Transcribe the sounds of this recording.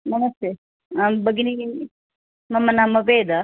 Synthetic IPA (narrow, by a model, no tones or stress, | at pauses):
mɐnɐst̪e | abɐɡini | mɐmːɐnamːɐʋeːd̪a